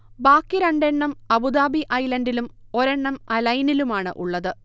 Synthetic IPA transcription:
baːkːiɾɐɳɖeɳːɐmɐbud̪aːbiʔɐjlɐndilumo̞ɾeɳːɐmɐlɐjnilumaːɳɨ̰ʔuɭːɐðɨ

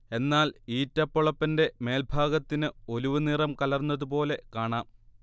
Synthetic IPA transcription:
e̞nːaːliːtːɐpːoɭɐpːɐnde̞me̞ːlbʱaːɡɐt̪ːinɨo̞luʋunirɐmkɐlɐrnːɐðup̬o̞ːle̞kaːɳaːm

